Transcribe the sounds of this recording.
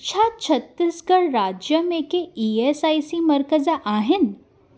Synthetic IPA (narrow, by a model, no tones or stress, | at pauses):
t͡ɕʰat͡ɕʰət̪ːisɡəɽɾad͡ʑjəmekeiesaisiməɾkəd͡zaʔaɦen